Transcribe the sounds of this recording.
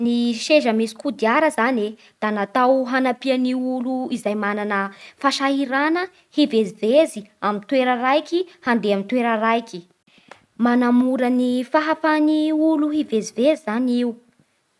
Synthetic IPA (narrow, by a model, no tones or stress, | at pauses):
niʃeʒəmisi̥kud̪iaɾəzane | d̪̥anat̪awɦanapianiuluizajmananəfaʃaɦiɾanə | hiveziveziamint̪weɾərajkihand̪eamint̪weɾərajki̥ | manamuɾənifaɦafaniuluɦivezivezizaniu